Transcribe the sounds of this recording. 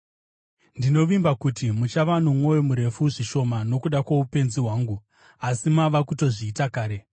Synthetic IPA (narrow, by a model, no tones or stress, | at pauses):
ndino̞ʋimbakutimut͡ʃaʋanomwo̞jomuɾe̞fuʐiʃo̞mano̞kuɗakwaupe̞nziɦwaːŋɡu | asimaʋakuto̞ʐiːtakaːɾe̞